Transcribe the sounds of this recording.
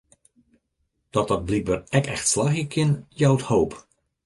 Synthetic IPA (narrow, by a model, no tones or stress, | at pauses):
d̥ɑt̚dɑt̚blik̚bəːrɛkɛxtslaxjəkʰɪnjawthowp